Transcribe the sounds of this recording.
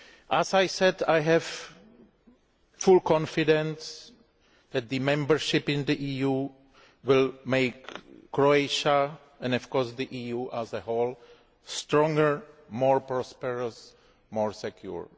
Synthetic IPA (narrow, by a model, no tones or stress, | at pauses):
ʔæzajsɛdajɦɛv̥ | fulkʰɔ̃nfɪdɛ̃ns | ðæt̪̚d̪ɨmɛ̃mbəɹʃɪpɪ̃nd̪iʔiju | wɪlmeɪkːɹoeɪʃa | ɛ̃nɔfkɔɹsðiʔijuʔazəhol | stɾɔ̃ŋɡəɹmɔɹpɹɔspɛɹəs | mɔɹsɛkʰjṵɹ